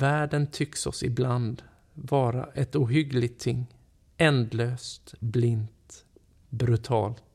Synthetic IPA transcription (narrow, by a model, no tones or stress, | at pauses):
væːɖənt̪ʰʏksɔ̰sɪbland̪ | vɑːɾa̰ʔɛt̪uːɦʏɡlɪɡt̪ʰːɪŋː | ɛnd̪løːst̪blɪnt̪ | bɾɵt̪ʰɑ̰ːlt̪